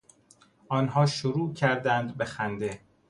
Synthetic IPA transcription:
ɒːnɦɒːʃoɾuːcʰæɾd̪ænd̪bexænd̪e

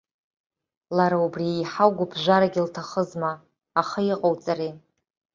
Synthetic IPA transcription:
laɾaubriejħawɡʷʊbʰʒʷaɾaɡʲɪltʰaχəzmaː | χajiqʼowt͡sʼari

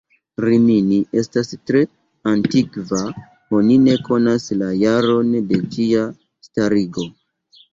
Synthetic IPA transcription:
ɾiminiʔe̞stastɾe̞ | antikva | o̞nine̞ko̞naslajaɾo̞nde̞d͡ʒia | staɾiɡo̞

